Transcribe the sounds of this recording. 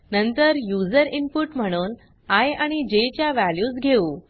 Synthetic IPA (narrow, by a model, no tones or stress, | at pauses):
nənt̪əɾjud͡zəɾimpuʈm̤əɽ̃uːn | ajaɽ̃id͡ʑet͡ɕjaʋæljuːsɡʱeuː